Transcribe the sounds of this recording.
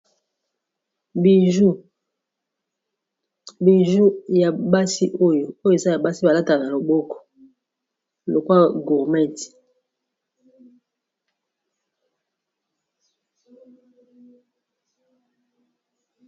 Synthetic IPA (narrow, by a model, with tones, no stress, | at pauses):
i˨u˦ | bi˨ʒu˦ja˨ba˦si˦ʔo˦jo˨o˦jo˦˨e˨za˦ja˨ba˦si˦ba˨la˦ta˨na˨lo˨bɔ˦kɔ̥˨ | lo˨kwa˦ɡu˨ʁmɛ˦ti̥˨